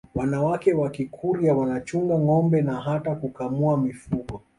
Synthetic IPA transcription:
wanawakɛwakikʰuɾiawanat͡ʃuŋɡaŋɔmbɛnaɦatakukamuamifuɡɔ

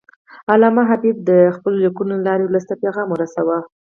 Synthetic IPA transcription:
alɑmaɦabib̚d̪əxpəlolikunolɑɾewləst̪apeɣɑmoɾasawa

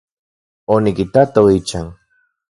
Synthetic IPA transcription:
onɪkɪt̪at̪awit͡ʃaŋ

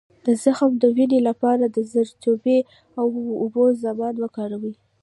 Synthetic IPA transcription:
d̪̥əzaxəmd̪əwinelapɑɾad̪əzəɾt͡ʃobe | awːbozamɑnwəkɑɾawi

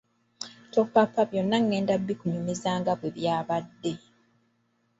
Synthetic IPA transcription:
topːapːaβjo̞nːaŋːe̞ːndabːikuɲumizaːŋɡaβweβjaːβadːe̞

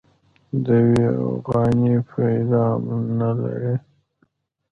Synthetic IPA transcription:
d̪əwia̰fɣɑnifɑjd̪amnala̰ɾi

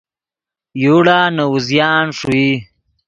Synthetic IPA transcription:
juːɽaːnawuzjaːnʂui

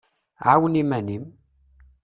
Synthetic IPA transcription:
ʕawənimænim

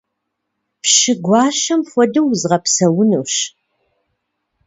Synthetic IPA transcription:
pʃɪɡʷɑːʃɐmχʷɔdɐwzʁɐpsɐwʊnuːɕ

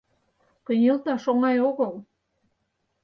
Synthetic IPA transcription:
kənʲelt̪ɑʃoŋɑjoɣɤl

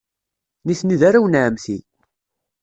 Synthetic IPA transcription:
niθniðaɾawənʕəmθḭ

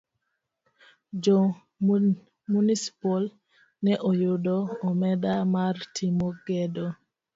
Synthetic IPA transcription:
d͡ʒɔ | munisi̥pɔl | nɛʔɔjʊdɔɔmɛdamartʰimoɡɛdo

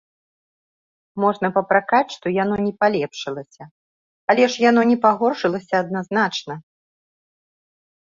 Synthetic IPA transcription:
mɔʐnɐpɐpɾakat͡sʲʂt̪ɔjanɔnʲɛpalʲɛpʂɨlˠɐsʲɐ | ɐlʲɛʂjan̪ɔnʲɛpaɣɔrʂɨlˠɐsʲɐːd̪̚naznat͡ʂnɐ

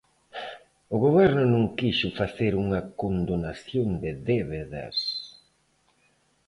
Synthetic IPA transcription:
ʊɣoβɛɾnʊnũŋkiʃʊfaθeɾuŋɐkond̪onaθjond̪ɪðɛβeðɐ̰s

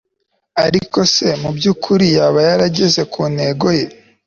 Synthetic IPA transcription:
aɾiko̞se̞mubjuːkʰuɾijaːβajaɾaɟe̞ze̞kʰuːnhe̞ːɡo̞je̞

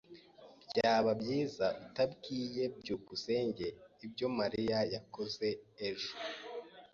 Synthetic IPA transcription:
bɟaːβabjiːzaβitabɡiːje̞bɟuːkuse̞ːɲɟe̞ibɟo̞maɾijajako̞ze̞ːʒo

